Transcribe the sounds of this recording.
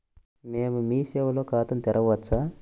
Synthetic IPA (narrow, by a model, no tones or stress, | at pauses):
meːmumiːseʋɐloːkaːt̪ɐnt̪ɛɾʔɐʋɐt͡sːa